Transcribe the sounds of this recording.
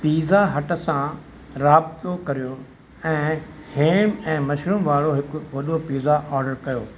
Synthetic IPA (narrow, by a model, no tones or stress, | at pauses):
piːzaɦɐʈə̆sã | ɾaːb̚t̪okɐɾijo | ɛ̃ː | heːmɛ̃ːmɐʃɾəmʋaːɽoɦɪkʊʋɐɗopiːzaʔɔːɾɖəɾkɐjoː